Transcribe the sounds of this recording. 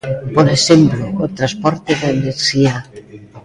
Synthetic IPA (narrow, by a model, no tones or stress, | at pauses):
poɾesemploːt̪ɾaspɔɾt̪eðaeneɾsia